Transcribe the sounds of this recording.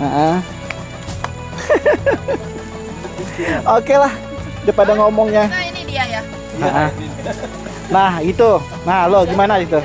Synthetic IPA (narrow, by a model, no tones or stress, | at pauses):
əʔə | okelah | dapadaŋomɔŋɲainidiaja | əʔə | nahɡit̪u | nahloɡimanaɡit̪u